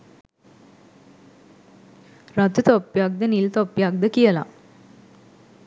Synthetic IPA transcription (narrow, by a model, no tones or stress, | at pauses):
ɾat̪ut̪ɔpːjak̚d̪ənilt̪ɔpːjak̚d̪əkijəla̰